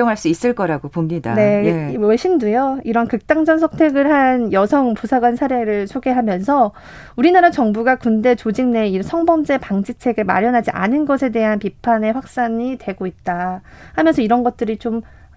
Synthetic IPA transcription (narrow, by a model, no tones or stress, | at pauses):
oŋɦaɭs͈uis͈ɯɭk͈ʌɾaɡopomɲida̰ne̞weɕʰimdujoiɾʌnkɯk̚t͈aŋd͡ʑʌnsʰʌŋtʰe̞ɡɯɭɦanjʌsʰʌŋpusʰaɡwansʰaɾe̞ɾɯɭsʰoɡe̞ɦamjʌnsʰʌ | uɾinaɾat͡ɕʌŋbuɡakunde̞t͡ɕod͡ʑiŋne̞isʰʌŋbʌmd͡ʑe̞paŋd͡ʑit͡ɕʰe̞ɡɯma̰ɾjʌnɦad͡ʑiʔa̰nɯnɡʌsʰe̞de̞ɦanpipʰane̞ɸwak̚s͈aɲitwe̞ɡoit̚t͈ahamjʌnsʰʌiɾʌnɡʌt̚t͈ɯɾit͡ɕom